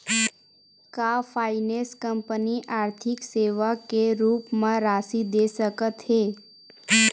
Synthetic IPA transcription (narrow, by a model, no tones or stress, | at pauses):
kafʰaɪneskəmpəniʔaːɾt̪ʰɪkseʋakeɾuːpmãɾasid̪esəkət̪ɦe